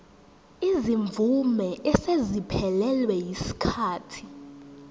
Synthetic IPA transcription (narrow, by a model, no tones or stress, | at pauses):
iziɱvʱumɛʔɛsezipʰɛlɛlwɛjisi̥kʰaːtʰi̥